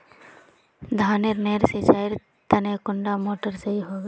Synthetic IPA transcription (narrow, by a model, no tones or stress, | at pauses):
d̪ʱaːneɾneːɾset͡ʃaːɪɾ | t̪ənekʊɳɖamoːʈəɾseiɦoːɡ